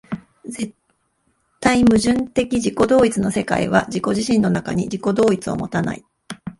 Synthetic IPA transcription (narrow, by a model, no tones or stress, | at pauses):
ze | t̪ːaimɯ̟ʑɨ̃nt̪e̞kʲiʑiko̞d̪o̞ːit͡sɨno̞se̞ka̰ḭβ̞a̰ʑiko̞ʑiɕĩnːo̞naka̰ɲ̟id͡ʑiko̞d̪o̞ːit͡sɨo̞̰mo̞t̪ana̰i